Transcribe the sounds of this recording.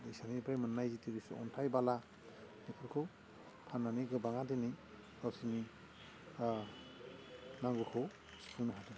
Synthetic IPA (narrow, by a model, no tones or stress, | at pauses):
dejsanibajmɯnːajzitiɾisṵɔ̰ntʰajbala | nikʰɯɾkʰɯw | pʰanːaniɡɯbaŋadeni | awsini | naŋɡukʰow | spʰunɯɦade